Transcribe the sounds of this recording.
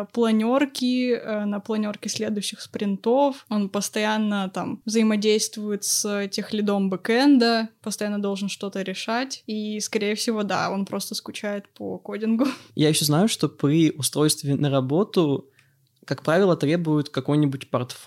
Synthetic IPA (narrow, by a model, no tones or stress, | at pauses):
plˠɐnʲo̞rkʲɪənəplˠɐnʲo̞rkʲɪsʲlʲe̞d̪ʊjɕːɪxspɾʲɪnt̪o̞fo̞npəst̪ɐjanːət̪amvzəɪmɐdʲejst̪vʊjɪt̪sɛtʲexlʲɪd̪o̞mbɨkɛnd̪əpəst̪ɐjanːəd̪o̞lˠʐɨnʂt̪o̞t̪əɾʲɪʂatʲiskɐɾʲejəfsʲɪvo̞d̪a̰o̞̰npɾʔo̞st̪əskʊt͡ɕæjɪt̪pə̰kodʲɪnɡʊjajɪɕːoznajʊʂt̪o̞pɾʲiʔʊst̪ɾo̞jst̪vʲɪnəɾɐbo̞t̪ʊ | kɐkpɾavʲɪlˠət̪ɾʲe̞bʊjʊt̪kɐko̞jnʲɪbʊtʲpɐrt̪f